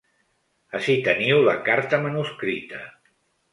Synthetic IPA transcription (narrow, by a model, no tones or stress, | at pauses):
əʃit̪əniwləkaɾt̪əmənuskɾit̪ə